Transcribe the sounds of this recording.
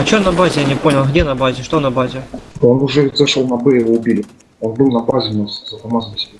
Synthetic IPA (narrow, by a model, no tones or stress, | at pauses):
ɐt͡ɕonɐbazʲɪjanʲɪpo̞nʲɪlˠɣdʲenɐbazʲɪʂt̪onɐbazʲɪonʊʐɛɪzɨʂəlˠnɐbɛjɪoʊbʲilʲɪ | onbɨlˠnɐbazʲɪnaszɐt̪ɐmazəmʲsʲɪ̥bʲe